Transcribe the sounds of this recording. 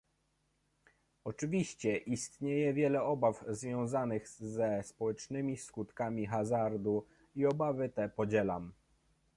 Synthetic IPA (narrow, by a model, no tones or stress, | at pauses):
ɔt͡ʂɘvʲiɕt͡ɕɛʔist̪ɲejɛvʲjɛlɛɔbafzvʲjɔ̃w̃zanɘɣzɛspɔwɛt͡ʂnɘmʲiskut̪kamʲixazaɾd̪u | iɔbavɘt̪ɛpɔd͡ʑɛlam